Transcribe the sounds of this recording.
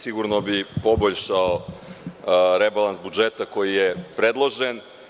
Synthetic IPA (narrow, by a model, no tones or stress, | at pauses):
siɡuɾnobipo̞boʎʲʃao | ɾebalansbud͡ʒet̪ako̞jijepɾed̪lˠo̞ʒen